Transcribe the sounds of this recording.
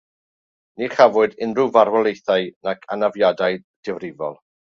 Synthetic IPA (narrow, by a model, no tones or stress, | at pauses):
niχavʊɨdɪnrɨvarwɛlˠejθajnakʰanavjadajd̥ɛvrɪvɔ̰lˠ